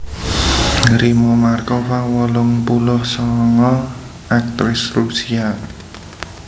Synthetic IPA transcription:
ɾimɔmarkɔfawɔlʊŋpulʊhsɔŋɔ | ak̚t̪ɾɪsrusia

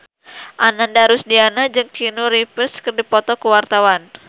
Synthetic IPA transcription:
ʔanandaɾʊsdianad͡ʒɨŋkinuɾipərskərdipɔt̪ɔkuwart̪awan

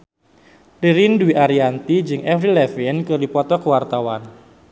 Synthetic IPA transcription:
riɾinduwiʔaɾiant̪id͡ʒɨŋɛfɾilɛfinkɨrdipɔt̪ɔkəwart̪awan

